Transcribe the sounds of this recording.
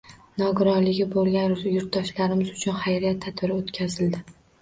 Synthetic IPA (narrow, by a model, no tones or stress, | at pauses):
nɒɡʊɾɒlɪɡʲɪbolˠɡʲanjʊɾt̪d̪ɒʃlaɾɪmɪzʊt͡ʃʰʊnχajɾijat̪ʰːat̪bɪɾɪot̪kʲʰazɪld̪ɪ